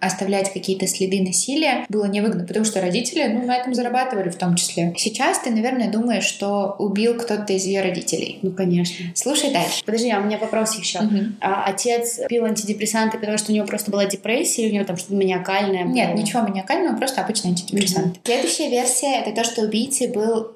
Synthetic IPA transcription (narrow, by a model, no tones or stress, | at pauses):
ɐst̪ɐvlʲætʲkɐkʲijət̪əsʲlʲɪd̪ɨnɐsʲilʲɪjəbɨlˠənʲɪvɨɡnəpət̪ɐmuʂt̪oɾɐdʲitʲɪlʲɪnunɐɛt̪əmzəɾɐbat̪ɨvəlʲɪft̪o̞mt͡ɕɪ̥sʲlʲesʲɪt͡ɕast̪ɨnɐvʲe̞rnəjəd̪uməjɪʂːt̪o̞ʊbʲilˠkt̪o̞t̪əɪzjɪjo̞ɾɐdʲḭtʲɪ̰lʲɪ̰jnukɐnʲeʂnəslˠuʂəjd̪alʲʂɨ̥pəd̪ɐʐd̪ʲiaʊmʲɪnʲavɐpɾo̞sjɪɕːom̩ɦm̩aʔɐtʲe̞t̪spʲilˠɐnʲtʲɪdʲɪpɾʲɪsant̪ɨpət̪ɐmuʂt̪oʊnʲɪvopɾo̞st̪əbɨlˠadʲɪpɾɛsʲːɪjəʊnʲɪvʲot̪amʂt̪ot̪mɪnʲɪɐkalʲnəjənʲet̪nʲɪt͡ɕɪvʲomʲɪnʲɪɐkalʲnəvəpɾo̞st̪əɐbɨt͡ɕnəjɐnʲtʲɪdʲɪpɾʲɪsant̪ɨ̥sʲlʲe̞d̪ʊɕːɪjəvʲe̞rsʲɪjəɛt̪ət̪o̞ʂt̪oːbʲijt̪sɨbɨlˠ